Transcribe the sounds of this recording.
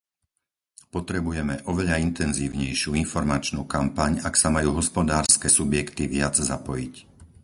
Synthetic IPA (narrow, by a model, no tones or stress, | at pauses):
pɔt̪ɾɛbujɛmɛʔɔʋɛʎaint̪ɛnziːʊɲɛjʃɪuːinfɔɾmat͡ʃnuːkampaɲaksamajuːɦɔspɔd̪aːɾskɛsubjɛkt̪iʋɪad͡zzapɔjic